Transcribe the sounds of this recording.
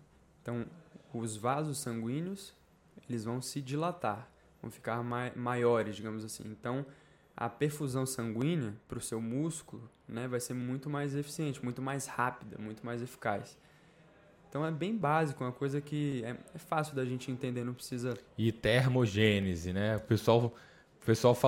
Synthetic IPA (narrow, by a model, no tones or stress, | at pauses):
ẽnt̪ɐ̃w̃ʊzvazʊsːɐ̃ŋɡwĩnʊs | elɪzvɐ̃w̃sɪd͡ʒilat̪aɾ | vɐ̃w̃fi̥kaɾmamajɔɾɪzd͡ʒiɡɐ̃mʊzasḭ̃ẽnt̪ɐ̃w̃ | ɐ̰peɾfuzɐ̃w̃sɐ̃ŋɡwĩnɐpɾʊsewmuskulʊ | nɛvajseɾmũj̃t̪ʊmajzefi̥siẽnt͡ʃɪmũj̃t̪ʊmajshapid̪ɐ̰mũj̃t̪ʊmajzefi̥kajs | ẽnt̪ɐ̃w̃ɛbẽj̃bazikʊũmɐkojzɐkɪɛɛfasjʊd̪ɐaʒẽnt͡ʃɪẽnt̪ẽnd̪eɾnɐ̃pɾɪsizɐit̪eɾmoʒẽnezɪnɛʊpesuaw | pesuawfa